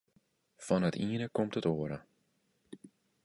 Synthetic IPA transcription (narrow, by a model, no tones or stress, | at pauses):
fɑnətiːnəkɔmtətoːəɾə